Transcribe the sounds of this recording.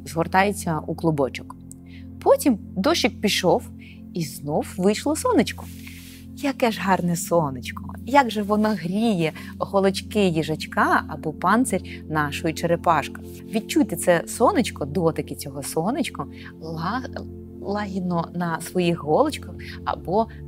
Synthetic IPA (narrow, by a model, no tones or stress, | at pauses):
zɦɔrt̪ɑjet͡sʲːɐuklˠʊbɔt͡ʃʊ̥k | pɔtʲimd̪ɔʃɪk̚pʲiʃɔw | iznɔwʋɪjʃlˠɔsɔnɪt͡ʃkʊ̥ | jɐkɛʒɦɑrnɛsɔnɪt͡ʃkɔjaɡʒɛʋɔnɔɦɾʲijɛ | ɦɔlˠɔt͡ʃkɪjiʒɐt͡ʃkɑɐ̰bɔpɑnt̪seɾʲ | nɑʃɔjit͡ʃeɾepɑʃkɔ̥ | ʋʲid̚t͡ʃujt̪ɪt̪sɛsɔnɪt͡ʃkɔd̪ɔt̪ɐkɪt͡sʲɔɦɔsɔnɪt͡ʃkɔ | lˠɑɦʲid̪nɔnɐsʋɔjixɦɔlˠɔt͡ʃkɐxɐ̰bɔ